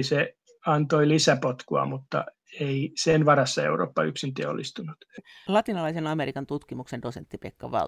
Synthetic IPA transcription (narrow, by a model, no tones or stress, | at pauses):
se | ɑnt̪oilisæpot̪kuɑ̰mut̪ːɑ̰ | eisenʋɑɾɑsːɑḛuɾo̰ːpːɑyksint̪eæo̰lːist̪unut̪lɑt̪inɑlɑisenɑmeɾikɑnt̪ut̪kimuksendosent̪ːipekːɑ̰ʋɑ̰